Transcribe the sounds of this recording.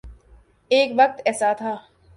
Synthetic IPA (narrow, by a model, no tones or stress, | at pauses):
eːkʋɐk̚t̪ɛːsaːt̪ʰaː